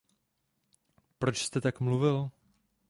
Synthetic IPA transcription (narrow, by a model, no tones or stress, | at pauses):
pɾot͡ʃst̪ɛt̪akmluvɪl